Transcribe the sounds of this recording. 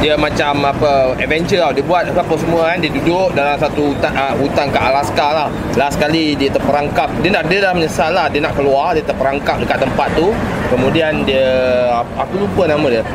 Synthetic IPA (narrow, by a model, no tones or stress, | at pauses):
diəmat͡ʃamapəɛvɛnt͡ʃuladiəbuat̪̚apəpəsəmuəandiədudʊʔ̚dalamsat̪uut̪aut̪aŋkaʔalaskalah | lasə̥kalidiət̪ərpəɾaŋkap̚diənaʔdiəlahməɲəsalahdiənaʔkəluardiət̪əpəɾaŋkap̚dəkat̪ːəmpat̪ːukəmũdiandiə | akulupənamə̃diə